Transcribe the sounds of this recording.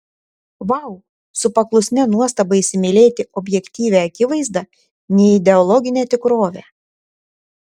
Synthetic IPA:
ʋɑʊ | sʊpɐklˠʊsʲnʲɛnuɔst̪ɐbɐɪsʲɪmʲɪlʲeːt̪ʲɪʔɔbʲjɛkʲt̪ʲiːʋʲɛɐkʲɪʋɐɪzd̪ɐ | nʲɛɪd̪ʲɛɔlˠɔɡʲɪnʲeːt̪ʲɪkɾoːʋʲæː

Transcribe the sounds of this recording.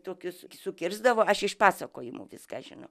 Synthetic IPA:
t̪oːkʲʊsʲsʊkʲɪrzd̪ɐʋoːɐʃɪʃpɑːsɐkoːjɪmṵʋʲɪskɑːʒʲɪnɐ̰ʊ

